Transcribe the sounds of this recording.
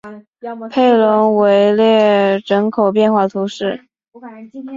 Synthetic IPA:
pʰe˥˩ɪlʊ˧˥ŋwe˧˥ɪljɛ˥˩ɻə˧˥ŋkʰo˨˩ʊpjɛ˥˧nxwa˥˩t̪ʰu˧˥ʂɻ̩˥˩

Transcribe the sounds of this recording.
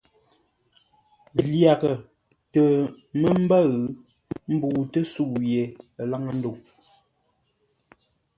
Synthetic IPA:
lja˨kə˨ | tə˨ | mə˦m̩˦bə˦ɣ | m̩˦bu˨tə˦suː˦˨je˨la˦ŋə˦˨n̩˦do˨

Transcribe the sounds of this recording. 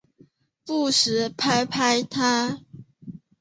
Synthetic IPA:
pu˥˩ʂɻ̩˨˦pʰa˥ɪpʰa˦˥ɪt̪ʰa˦

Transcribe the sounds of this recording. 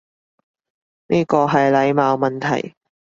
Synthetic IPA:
nʔiː˥kɔː˧ɦɐ˨jlɐ˨˧˥jmaː˨˧wmɐ˨nt̪ʰɐ˨˩j

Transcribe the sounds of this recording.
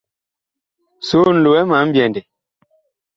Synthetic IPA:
so˦n̩˨lo˨wɛ˦ma˨˦m̩˦bjɛ˨ndɛ˨

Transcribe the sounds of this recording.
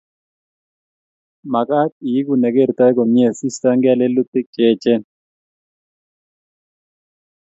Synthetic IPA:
ma˨ka˦t̚i˨ji˦ku˨nɛ˨ɡe˦ɾt̪a˦ko˨mje˦˨si˦sta˦ŋɡe˦a˦le˦lu˦t̪ɪ˦k̚t͡ʃe˦˨t͡ʃɛ˦n

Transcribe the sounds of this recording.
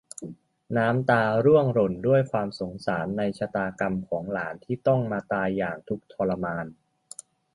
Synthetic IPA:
naː˦˥mt̪aː˧ɾu˥˩əŋɾo˨˩ndu˥˩əjkʰwaː˧mso˩˦ŋsaː˩˦nːa˧jt͡ɕʰa˧t̪aː˧ka˧mkʰɔː˩˦ŋlaː˩˦nt̪ʰiː˥˩t̪ɔ˥˩ŋmaː˧t̪aː˧jːaː˨˩ŋt̪ʰu˦˥k̚t̪ʰɔː˧la˧maː˧n

